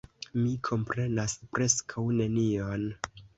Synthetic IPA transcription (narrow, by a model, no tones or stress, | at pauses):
mikʰo̞mpɾe̞naspɾe̞skʰawne̞nion